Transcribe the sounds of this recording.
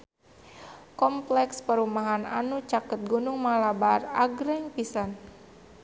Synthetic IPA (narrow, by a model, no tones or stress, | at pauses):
kɔmplɛkspəɾumaɦana̰nut͡ʃakət̪̚ɡunʊŋmalabaraɡɾɛŋpisan